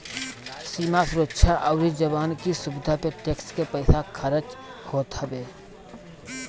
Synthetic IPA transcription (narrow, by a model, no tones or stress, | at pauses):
siːmasʊɾətːʃʰaʔəʊɾid͡ʒəbaːnkisʊbɪd̪ʱapeʈeːkskepəɪsakʰəɾət͡ʃhoːt̪ɦəbeː